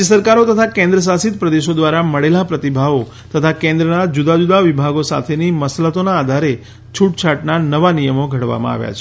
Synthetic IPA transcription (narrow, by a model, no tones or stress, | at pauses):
əsəɾkaɾot̪ət̪ʰakɛ̃nd̪ɾəs̬asit̪̚pɾəd̪eʃod̪ʋaɾaməɭelapɾət̪ibʱaʋo | t̪ət̪ʰakɛ̃nd̪ɾənad͡ʒud̪ad͡ʒud̪aʋibʱaɡosa̰t̪ʰeniməslət̪onaːd̪ʱaɾe | t͡ʃʰuʈt͡ʃʰaʈnanəʋanijəmoɡʱəɽʋa̰mã̰a̰ʋja̰t͡ʃʰe